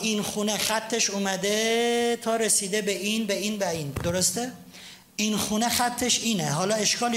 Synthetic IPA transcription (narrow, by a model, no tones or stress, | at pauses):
inxuːnexæt̪ʰːeʃuːmæd̪et̪ʰɒːɾesiːd̪ebeʔinbeiːnbæiːnd̪oɾost̪e | iːnxuːnexæt̪ʰːeʃiːneɦɒːlɒe̞ʃkɒːl